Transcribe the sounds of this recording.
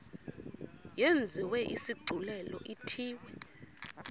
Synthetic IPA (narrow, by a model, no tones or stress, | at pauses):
jend͡zʱiwɛʔisiɡ͡ǀʱulɛlɔ̰ʔitʰiːwɛ